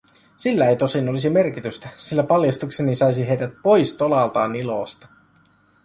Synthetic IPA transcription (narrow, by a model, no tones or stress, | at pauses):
silːæejt̪o̞sino̞lisime̞rkit̪yst̪æsilːæpɑljɑst̪uksenisɑjsiɦe̞jdæt̪̚po̞jst̪o̞lɑlt̪ɑːniloːst̪ɑ